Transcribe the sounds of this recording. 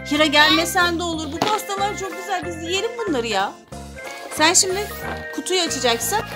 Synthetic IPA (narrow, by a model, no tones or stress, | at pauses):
hiɾaɟælʲmesænd̪ɛo̞lˠuɾbupast̪alˠaɾt͡ʃʰo̞k̚ɟyzælʲbizd̪ije̞lʲimbunlˠaɾɯja | sænʃimd̪ɪkʰut̪ʰujat͡ʃʰad͡ʒaksan